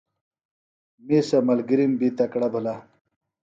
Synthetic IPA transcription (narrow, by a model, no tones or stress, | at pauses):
misɐmɐlɡiɾimbit̪ɐkɽɐbʱula